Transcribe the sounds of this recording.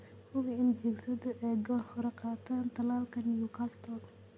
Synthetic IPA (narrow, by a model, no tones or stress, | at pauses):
hʊɣɪɪnd͡ʒɛɡsɐðɐʔɛjɡɔːrhʊɾɛqɑːt̪ʰaːnt̪ʰɐlaːlkʰɐnɪjukʰaːst̪ʰɔːl